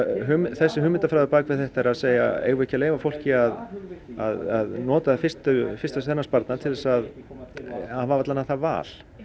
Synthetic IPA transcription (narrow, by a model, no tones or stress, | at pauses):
ɦʏmθɛsːɪhʏːmɪnt̪afɾajðʏpaːkvɪðθɛht̪aɛɾaðseːja̰ḛːjɣʏɛhcaleːjvafowl̥cɪaða̰ðaðnɔːt̪afɪst̪ʏfɪ̥rst̪asθɛnːaspaɾt̪nat̪ʰɪlðɛsað | avavat̪lanːaθava̰ːl̥